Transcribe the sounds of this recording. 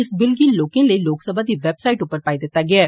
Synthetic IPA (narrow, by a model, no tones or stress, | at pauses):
ɪsbɪlɡiːlloːkẽleiloːksəbʱad̪iʋeːbsaːɪʈupəɾpaːid̪eːt̪aɡɛaː